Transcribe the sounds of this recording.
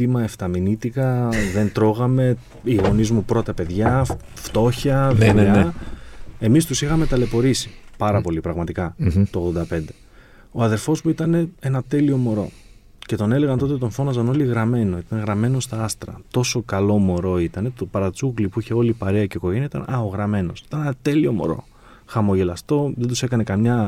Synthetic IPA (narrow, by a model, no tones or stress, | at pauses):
imɐeft̪ɐminit̪ikɐðe̞nt̪ɾo̞ɣɐme̞ | iɣo̞nizmupɾo̞t̪ɐpe̞ðʝɐ | ft̪o̞çɐðeneɐ | e̞mist̪usixɐme̞t̪ɐle̞po̞ɾisi̥pɐɾɐpo̞lipɾɐɣmɐt̪ikɐt̪oɣðo̞nd̪ɐpe̞nd̪e̞ | o̞ɐðe̞ɾfo̞smuit̪ɐne̞e̞nɐt̪e̞lio̞mo̞ɾo̞̰ | ce̞t̪o̞ne̞le̞ɣɐnt̪o̞t̪̬et̪o̞ɱfo̞nɐzɐno̞liɣɾɐme̞no̞it̪ɐɣɾɐme̞nost̪ɐɐst̪ɾɐ̰t̪o̞so̞kɐlo̞mo̞ɾo̞it̪ɐne̞t̪opɐɾɐt͡suɣlipuiçe̞o̞lipɐɾeɐce̞ko̞ʝeɲɐit̪ɐ̰nʔɐoɣɾɐme̞no̞̰si̥t̪ɐnenɐt̪e̞lio̞mo̞̰ɾo̞̰ | xɐmo̞ʝe̞lɐst̪o̞ðend̪use̞kɐne̞kɐmɲɐ